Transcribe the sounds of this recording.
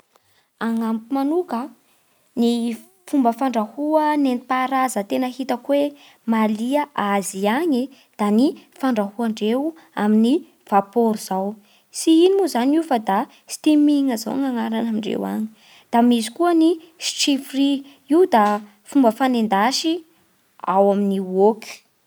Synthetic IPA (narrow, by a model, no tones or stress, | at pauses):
aŋampimanukə | ni | fumbəfaɳɖ͡ʐahuənenipaɾazət̪enəɦit̪əkwe | maliəʔaziaɲi | d̪̥anifaɳɖ͡ʐahuaɳɖ͡ʐew | a̰mini | v̥apoɾiz̥aw | siinimuzaniufəd̪a | si̥t̪imiŋəza̰ŋaŋaɾanamiɳɖ͡ʐḛwa̰ɲi̥ | d̪̥amizi̥kuəni | sʈ͡ʂifri | id̪a | fumbəfanend̪aʃi | a̰waminioki̥